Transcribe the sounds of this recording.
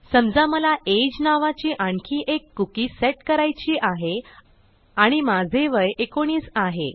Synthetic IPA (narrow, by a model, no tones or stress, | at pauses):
səmd͡zaməlaʔed͡ʑnaʋat͡ɕiːʔaɳkʰiːʔekːukiːseʈkəɾajt͡ɕiːʔaɦe | aɽ̃imad͡zʱeʋəjekoɽ̃iːt͡saɦḛ